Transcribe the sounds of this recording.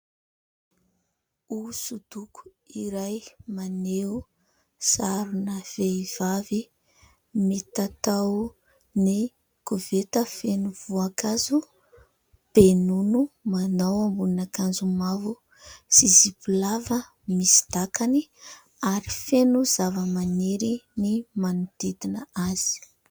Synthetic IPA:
usud̪̥uku̥ | iɾajmaneu | saɾunəv̥eiv̥avi | met̪at̪aw | ni | kuvet̪əfenuvuakazu | b̥enunumanawambuninakand͡zumavu | sizibulavə | misi̥d̪̥akani | aɾifenuzavəmaneɾinimanud̪̥id̪inəaz̥i̥

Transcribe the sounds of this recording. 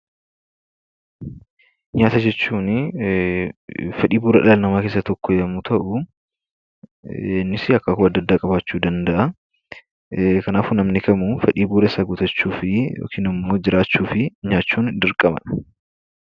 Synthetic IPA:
ɲaːt̪ɐd͡ʒɛt͡ʃːuːn | fɐᶑiːbuːɾɐᶑɐlɐlnɐmaːkeːsːɐt̪ɔkːɔjɐmut̪ʰɐʔʊ | ɛnːɪsɪɐkːɐkʊɐd̪ːɐd̪ːaːkʼɐbaːt͡ʃːuːd̪ɐnd̪ɐʔɐ | kɐnaːfʊnɐmnɪkɐmufɐᶑiːbuːɾɐsaːɡʊt̪ɐt͡ʃːuːfɪjo̰ːkʰiːnɪmːoːd͡ʒɪɾaːt͡ʃːuːfɪɲaːt͡ʃːuːnd̪ɪɾkʼɐmɐ̰nɐ̥

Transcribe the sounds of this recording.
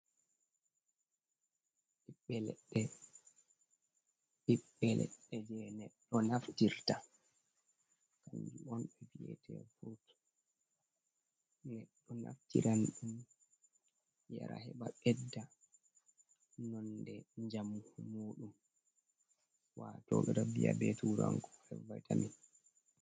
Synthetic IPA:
iɓːɛlɛɗɛ | iɓːɛlɛ̰ɗːɛd͡ʒɛnɛɗːɔnaftiɾta | kaɲd͡ʒuɔnɛviɛ̰tʰɛ̰fuɾt | nɛɗːɔna̰ftiɾanɗum | ja̰ɾa̰hɛɓaɓɛdːa | nɔndɛɲd͡ʒammoːɗum | watɔːɓɛɾabijabetuɾaŋkɔɛvajtamin

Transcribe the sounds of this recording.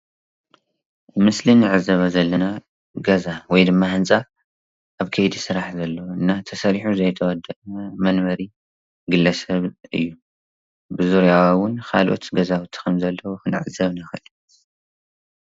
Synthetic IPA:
mɨslinɨʕɨzːɐβɐzɐlːɐna | ɡɐzawɔjd̪ɨmːahɨnt͡sʼa | ʔaβkʰɐjd̪isɨɾaħzɐlːɐwɨnːat̪ʰɐsɐɾiħuzɐjt̪ʰɐwɔd̪ːɐʔmɐnmɐɾi | ɡɨlːɐsɐβɨ̰jːu | bɨzuɾjawwʊnxʰa̰lʔo̞̰t̪ɡɐzawut̪ʰi̥kʰɐmzɐlːɐwoxɨnɨʕɨzːɐβnɐxɨɨli

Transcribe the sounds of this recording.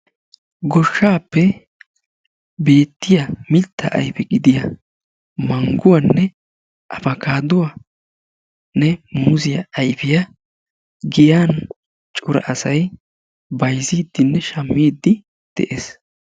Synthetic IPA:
ɡɔʃːaːpːɛ | be̞ːt̪ːɪjɐmɪlt̪ʰːɐʔɐ̰jfɛɡɪd̪ɪjɐ | mɐŋɡʊwanːɛ | ʔɐfɐkaːd̪ʊwa | nɛmʊzɪjɐɐjfɪjɐ | ɡɪjaːn | t͡ʃʼʊɾɐ̰ʔɐsɐj | bɐjziːd̪ːɪnːɛʃɐmːiːd̪ːɪ | d̪̥ɛʔes

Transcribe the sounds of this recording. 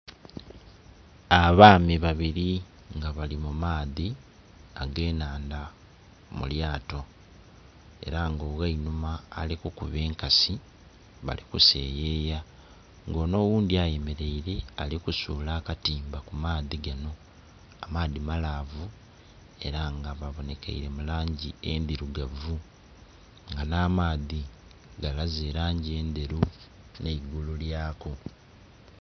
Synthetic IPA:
aβaːmiβaβiɾi | ŋɡaβalimumaːði | aɡe̞ːnaːnda | mṵljaːto̞ | e̞̰ɾaŋɡo̞ːɣainumaːlikukuβe̞ːŋkasi | βa̰likuse̞̰ːje̞ːja | ŋɡo̞ːno̞ːwuːndiaje̞me̞ɾe̞iɾe̞alikusuːlaːkatiːmbakumaːðiɡano̞ | amaːðimalavu | e̞ɾaŋɡaβaβo̞ne̞kḛḭɾe̞mulaːɲɟie̞nd̪iɾuɡavu | ŋɡanaːmaːði | ɡalazeːɾaːɲɟie̞ːnd̪e̞ɾu | neiɡululjaːko

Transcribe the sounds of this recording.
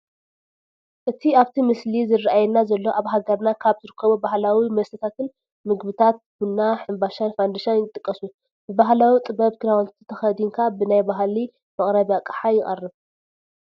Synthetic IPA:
ʔɨt̪ʰiaβt̪ʰimɨslizɨrʔajɛnːazɐlːo̞ʔaβɦaɡɐɾnakʰaβzɨɾɨkʰːɐβubahlawimɐsɐt̪ʰat̪ʰɨn | mɨɡbɨt̪ʰat̪̚bunːaħɨmbaʃanfand̪aʃanjɪt̪ʼɨkʼːɐsu | bɨbaɦlawit̪ʼɨbɐβkʰɨɾawont̪ʰt̪ʰːɨ̥t̪ʰɐxɐd̪iŋkʰabɨnajbaɦli | mɐχʼɾɐβiakʼaħajɪχʼɐ̰rːɨβ

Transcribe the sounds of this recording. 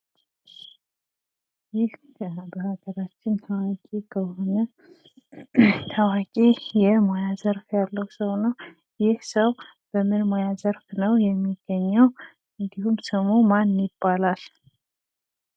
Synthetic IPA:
jɪhʰ | əbəhaɡəɾat͡ʃːɪnt̪ʰawakʼikʰəho̞nə | t̪ʰawakʼijɛmojazəɾfjalːəhwsəwnəw | jɪhsəw | b̥əmɨnmojazəɾfnəwjɛmːiɡ̥ːəɲːəw | ɨnd̪ihumsəmomanjɪbːalal

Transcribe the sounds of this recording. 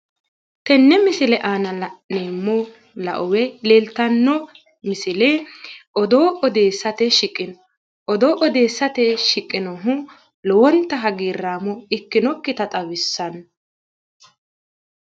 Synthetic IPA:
t̪ɛnːɛmɪsɪlɛʔaːnɐneːmːɔ | lɐ̰ʔɔwɛleːlt̪ɐnːɔ | mɪsɪlɛʔɔd̪oːʔɔd̪e̞ːsːɐt̪ɛʃɪkʼːɪnɔ | ʔɔd̪oːʔɔd̪eːsːɐt̪ɛʃɪkʼːɪnɔɦʊ | lɔwɔnt̪ːɐɦɐɡiːrːaːmɔɪkːɪnɔkːɪt̪ɐt̪ʼɐwɪsːɐn

